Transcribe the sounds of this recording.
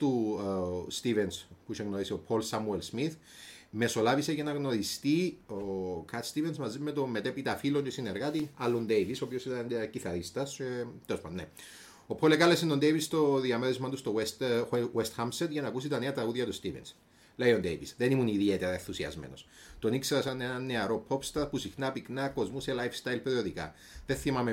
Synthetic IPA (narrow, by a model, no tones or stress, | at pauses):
t̪u | st̪ivenspuʃeŋɣno̞ɾisio̞pʰo̞lsɐmuelsmiθ | me̞so̞lɐviseʝɐnɐɣno̞ɾist̪iokʰɐt̪st̪ivensmɐzimːe̞t̪omːe̞t̪epit̪ɐfilot̪esine̞ɾɣɐt̪inɐlːond̪ejvisoːpiosit̪ɐnciθɐɾist̪ɐset̪elospɐ̰nnḛ | opʰolekɐlesenond̪ejvist̪o̞ðiɐmeɾizmɐt̪ust̪owest̪west̪xɐmset̪ʝɐnɐːkus̬it̪ɐne̞ɐt̪ɾɐɣuðʝɐt̪ust̪ivens | lejond̪ḛjvisðe̞nimuniðiet̪eɾɐenθusiɐ̰zmḛno̞̰s | t̪o̞nikseɾɐsɐne̞nɐnːe̞ɐɾo̞pʰo̞pst̪ɐɾpusixnɐpiknɐkːo̞zmuselajfst̪ajlpeɾioðikɐ̰ | ðenθimɐme